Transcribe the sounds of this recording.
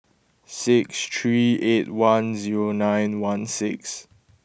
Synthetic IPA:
sɪkstʰɹietwãnziɹonãj̃nwãnsɪks

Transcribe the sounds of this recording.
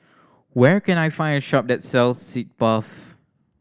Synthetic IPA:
wɛkɛ̃najfãɪ̃ndəʃɔp̚dɛtsɛlsːit̚b̥ʌf

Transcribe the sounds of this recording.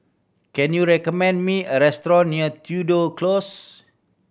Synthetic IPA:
kɛ̃njuɹɛkɔmɛ̃ndmĩəɹɛst̪ɹɔ̃nːiət̪ʰjudoklos

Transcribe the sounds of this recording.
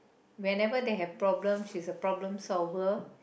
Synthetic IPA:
wɛ̃nɛvəd̪eɦɛvpɹɔblə̃mʃisəpɹɔblə̃msɔlvə

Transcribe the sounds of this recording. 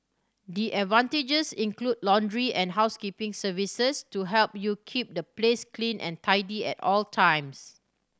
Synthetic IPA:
diʔɛdvãnted͡ʒəsĩŋklud̚lɔ̃ndɹiʔɛ̃nɦaʊskipɪ̃ŋsəvisəstuɦɛlp̚jukʰip̚dəplesklĩnʔɛ̰̃ntʰaɪdiɛ̰tɔltʰãj̃ms

